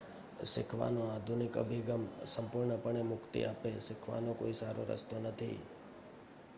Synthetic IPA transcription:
sɪkʰʋa̰noad̪ʱunɪkə̰bʱiɡəmsəmpʊɾɳəpəɳemʊkt̪ḭapesɪkʰʋa̰nõko̰isaɾoɾə̰st̪onət̪ʰḭ

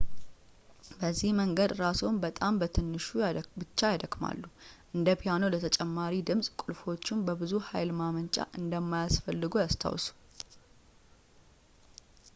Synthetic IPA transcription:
bəzːihməŋɡəd̪ɾasunbət̪ʼambət̪ʰɨnːɨʃubɨt͡ʃːajad̪əkʼma̰lːuʔɨnd̪əpʰijano̞lət̪ʰət͡ʃʼɛmːaɾid̪ɨmsʼkʷʼʊlfo̞t͡ʃːɪnbəbɨzuha̰jlmamənt͡ʃʼa̰ʔɨnd̪əmːajasfəlːɨɡujast̪ʰa̰wsu̥

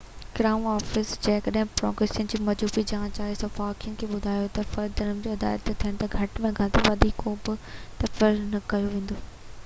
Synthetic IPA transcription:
kɾaːmɔːfɪsd͡ʑɐ̃ɦɪ̃kɐɗɦɪ̃pɾɔ̰ːɡɾeːsijʊnɪd͡ʑiːmɐd͡ʑuːbid͡ʑɐɦãt͡ɕaːesɐ̃faːkijənɪ̆kʰeːɓʊd̪ʱaːjot̪ɐfɐɾd̪ɐɾəmd͡ʑoːɪd̪a̰ːjət̪ːet̪ʰiəɽ̃t̪ɐɡʱɐʈmẽɡʱɐd̪eʋɐd̪ʱikoːbɪt̪ɐfɐɾnɐkɐjoʋẽːn̆d̪oː

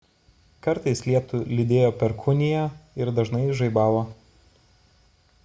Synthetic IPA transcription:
kɐɾt̪ɐɪslʲiɛt̪ʊlʲɪd̪ʲeːjoːpʲɛɾkʰʊnʲɪjɛɪɾd̪ɐʒnɐɪʒɐɪbɑːʋoː

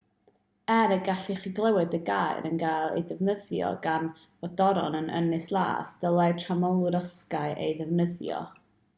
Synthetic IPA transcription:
ɛɾəɡaɬiχiɡlˠɛwɨdəɡaːjɾənɡajlˠḛjdɛvnəðjɔ̰ɡan | vɔdɔɾɔ̰nənə̰nɪslˠa̰ːsd̥əlˠatʰramɔlˠɾəskaɨʔḛjðɛvnəðjɔ̰

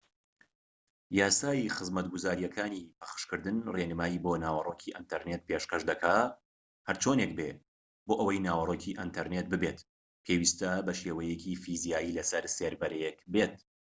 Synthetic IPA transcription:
jaːsaːjixɨzmɐt̪ɡʊzaːɾijɐkʰaːnipʰɐ̥χɨ̥ʃkɨɾd̪ɨnreːnɨmaːjiːboːnaːwɐroːkʰiʔɪnt̪ʰɐɾneːt̪̚pʰeʃkɐʃd̪ɐkʰaː | hɐɾt͡ʃʰoːnek̚be | boːʔəwɐjnaːwɐrˤoːcʰiʔɪnt̪ʰɐɾnet̪̚bɨbet̪ | pʰeːwist̪ɐbɐʃeːwɐjɛkʰifizijaːjiːlɐsɐɾseːɾbɐɾekbeːt̪̚

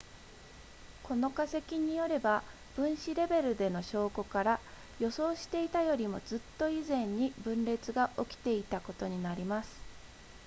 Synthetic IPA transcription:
ko̞no̞kase̞kʲiɲ̟ijo̞ɾe̞ba | b̥ɯ̟̃ɰ̃ɕiɾe̞be̞ɾɯ̟d̪e̞no̞ɕo̞ːko̞kaɾa | jo̞so̞ːɕi̥t̪e̞it̪ajo̞ɾʲimo̞d͡zɨt̪ːo̞izẽ̞ɲ̟ːibɯ̟̃nɾe̞t͡sɨɡaʔo̞kʲi̥t̪e̞it̪ako̞t̪o̞ɲ̟inaɾʲimasɨ̥

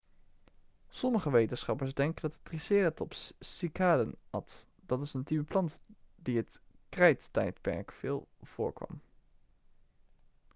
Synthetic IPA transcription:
sɔməχəʋejtənsχɑpəɹzdɛŋkəndɑtətrisɪːrətɔpsikaːdənɑ̰t | d̥ɑtɪsəntipəplɑntdiɦətkrɛjttɛ̰jtpɛ̰ɹkfɪːlˠv̥ʊːɹkʋɑ̰m

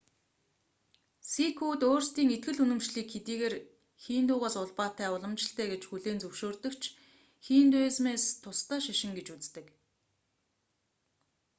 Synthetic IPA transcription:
sikʰuːt̪oːrst̪iːŋet̪̚ɡɘ̆ɮunɵ̆mt͡ɕɮiːkxet̪iːɣeːr | xiːnt̪ʊːʁaːsʊɮpaːt̪æːʊɮə̆mt͡ɕɪ̆ɬt̪ʰæːɡet͡ɕxuɮeːnt͡sɵwʃoːrt̪ɵ̆kt͡ɕʰ | xiːnt̪ʊːsmeːst̪ʰʊst̪œːʃaʃɪ̆ŋɡet͡ɕut͡st̪ɘ̆k

